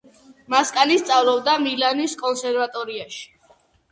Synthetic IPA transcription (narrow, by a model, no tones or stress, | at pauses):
maskʼanist̪sʼavlˠɔbd̪amilaniskʼɔnsɛɾvat̪ʼɔɾiaʃi̥